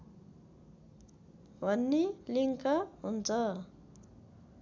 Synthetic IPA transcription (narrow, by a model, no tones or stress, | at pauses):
bʱʌnːiliŋkaɦunt͡sʰʌ